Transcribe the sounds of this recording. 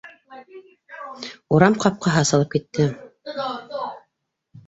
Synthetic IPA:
uɾɑmqɑp̚qɑɦɑsɑlˠɤpkit̪ːɘ

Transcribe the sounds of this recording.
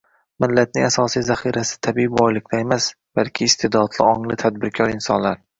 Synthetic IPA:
mɪlːat̪̚nɪŋasɒsijzaχiɾasɪ̥t̪ʰabibɒjlˠɪk̚ʰʲlaemas | b̥alˠkʲʰɪːst̪ʰed̪ɒt̪lˠɪɒŋlɪt̪ʰad̪̚bɪɾkʲʰɒɾɪnsɒnlaɾ

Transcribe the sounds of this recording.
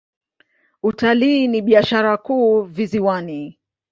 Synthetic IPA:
utaliːniɓiaʃaɾakuːviziwani

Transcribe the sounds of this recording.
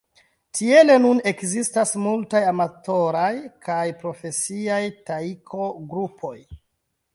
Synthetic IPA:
tʰie̞le̞nune̞kzistasmultajamato̞ɾajkʰajpɾo̞fe̞siajtaikʰo̞ɡɾupʰo̞j

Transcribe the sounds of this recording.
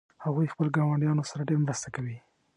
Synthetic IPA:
haɣujxpəloɡɑwaɳɖjɑnosaɾaɖeɾmɾəst̪akawi

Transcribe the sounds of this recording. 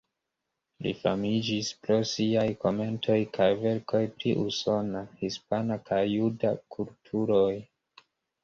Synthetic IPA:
lḭfa̰mid͡ʒispɾo̞siajko̞me̞ntʰo̞jkajve̞ɾko̞jpɾiʔuso̞nahispanakʰajːudakʰultʰuɾo̞j

